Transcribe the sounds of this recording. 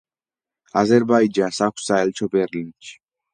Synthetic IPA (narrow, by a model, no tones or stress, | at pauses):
azɛɾbaid͡ʒansakʰʷsaɛlt͡ʃʰɔbɛɾlint͡ʃʰi̥